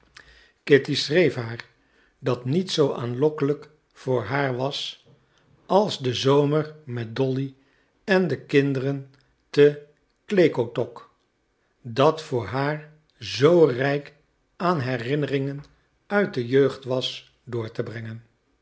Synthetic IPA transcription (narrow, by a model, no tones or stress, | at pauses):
kɪtisrejfɦaːɹ | dɑtnitsowaːnlɔkələk | fʊːɹɦaːɹʋɑs | ɑlˠzdəzowməɹmɛt̚dɔli | ɛndəkɪndərən | tə | klejkowtɔk | dɑtfʊːɹɦaːɹ | zowrɛjk | ʔaːnɦɛrɪnərɪŋən | œɥt̚dəjøɥχtʋɑs | dʊːɹtəbrɛŋən